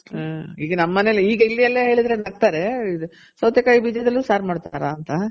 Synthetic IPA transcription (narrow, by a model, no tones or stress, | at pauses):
iːɡɐnɐmːɐneliːɡɐilːijɐlːɐɦe̞ːɭid̪ɾenɐɡ̚t̪aːɾe̞i | sɐwd̪jɐkaːjibiːd͡ʒed̪ɐlːusaːɾmaːɽt̪aːɾaːnt̪ɐ